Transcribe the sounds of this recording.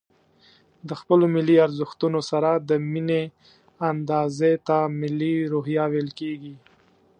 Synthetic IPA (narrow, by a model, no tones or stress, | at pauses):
d̪əxpəlomɪlːiaɾzəxt̪unosaɾad̪əmine | and̪ɑzet̪amɪlːiɾoɦjɑwelkeɡi